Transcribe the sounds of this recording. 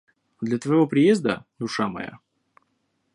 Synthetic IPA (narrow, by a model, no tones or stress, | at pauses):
d̪lʲɐt̪vəjɪvo̞pɾʲɪjezd̪ə̰d̪ʊʂamɐ̰ja̰